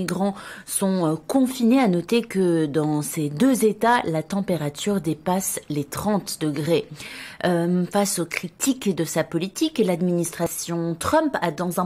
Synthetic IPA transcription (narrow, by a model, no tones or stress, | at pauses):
iɡʁɑ̃sɔ̃kɔ̃fineanɔt̪ekəd̪ɑ̃sed̪øzet̪alat̪ɑ̃peʁat̪ʰyʁd̪epaslet̪χɑ̃t̪d̪əɡʁe | fasokχit̪ikd̪əsapɔlit̪iklad̪minist̪χasjɔ̃t̪χœ̃mpad̪ɑ̃zɛ̃